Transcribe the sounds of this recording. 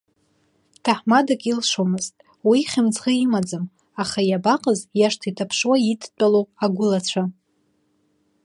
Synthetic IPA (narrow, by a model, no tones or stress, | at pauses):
tʰaħmadakʲʼilʂomɨztʼ | wiχʲɪmt͡sʰʁəimad͡zɨm | aχajabaqʼəzjaʂtʰitʰapʰʂwaitʰt͡pʷʼalowpʼaɡʷʊlat͡ɕʷʰa